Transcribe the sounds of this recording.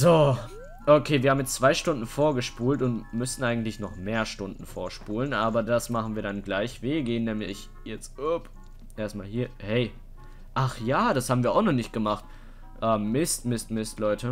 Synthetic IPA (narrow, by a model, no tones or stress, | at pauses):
zoː | ʔokʰeːviɐhaːmjɛt͡st͡sv̥aɪʃtʊndn̩foːɐɡəʃpuːltʊntmʏsn̩ʔaɪɡŋ̩tlɪçnɔχmeːɐʃtʊndn̩foːɐʃpuːlənʔaːbɐdasmaχn̩viːɐdanɡlaɪçv̥eːɡeːənːɛːmlɪ̰ç | jɛt͡stʊp | ʔeːɐstmaːlhiːɐhɛɪ | ʔaχjaːdashaːbm̩viːɐaʊxnɔχnɪçt̚ɡ̥əmaχt | ʔɛːmːɪstmɪstmɪstlɔʏtʰə